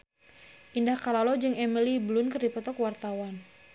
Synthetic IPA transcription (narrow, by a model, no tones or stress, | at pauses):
ʔindahkalalɔd͡ʒɨŋɛmiliblʊnkɨrdipɔt̪ɔkwart̪awan